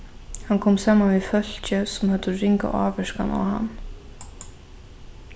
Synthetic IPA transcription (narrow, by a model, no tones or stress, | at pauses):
hankʰɔːmsaːmanvifœl̥t͡ɕəsɔmhœt̪ːərɪŋka̰ʔa̰ːʋɛʂka̰na̰ɦa̰nː